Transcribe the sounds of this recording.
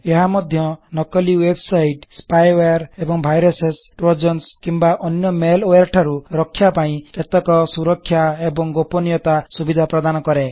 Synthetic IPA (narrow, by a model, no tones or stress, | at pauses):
eɦamɔd̪ʱjɔnɔkɔliwebsajʈspajeɾebɔŋbʱajɾɔsesʈɾod͡ʒɔnskimbaʔɔnjɔmeloaɾʈʰaɾuɾɔkʰːjapaĩket̪ɔkɔsuɾɔkʰːjaebɔŋɡopɔnijɔt̪asubid̪ʱapɾɔd̪anɔkɔɾe